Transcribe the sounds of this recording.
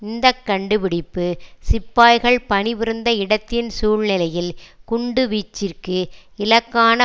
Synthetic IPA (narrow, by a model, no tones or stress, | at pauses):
ɪnd̪ɐkːɐɳɖɯʋɪɽɪpːɯsɪpːaːjɣɐɭpɐnɪʋɪɾɯnd̪ɐɪɽɐt̪ːɪnsuːɭnɪlɐjɪlkʊɳɖɯʋiːt͡ʃːɪrkɯɪlɐkːaːnɐ